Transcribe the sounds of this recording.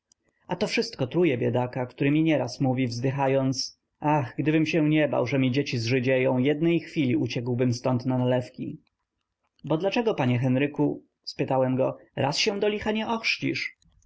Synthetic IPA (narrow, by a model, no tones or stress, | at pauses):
at̪ɔfʂɘst̪̚kɔt̪ɾujɛbʲjɛd̪akakt̪uɾɘmʲiɲɛɾasmuvʲivzd̪ɘxajɔnt̪s | axɡd̪ɘbɘmɕɛɲɛba̰wʐɛmʲid͡ʑet͡ɕizʐɘd͡ʑejɔ̃w̃jɛd̪nɛjxfʲilʲiut͡ɕɛɡwbɘmst̪ɔnt̪nanalɛfkʲi | bɔd̪lat͡ʂɛɡɔpaɲɛxɛnɾɘku | spɘt̪awɛmɡɔɾa̰sɕɛw̃d̪ɔlʲixaɲɛʔɔxʂt͡ɕḭʂ